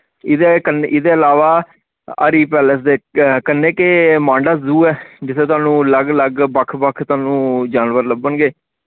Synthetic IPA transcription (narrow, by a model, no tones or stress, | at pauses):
ɪd̪eːkənʔɪd̪eːəlaːʋaː | ə̰ɾiːpɛːləs̬d̪eːkənːeːkemãːɳɖaːzuːɛːd͡ʒɪt̪ʰːeːt̪ʊaːnũːləɡləɡbəkʰbəkʰt̪ʊaːnũːd͡ʒaːnʋəɾləbənɡeː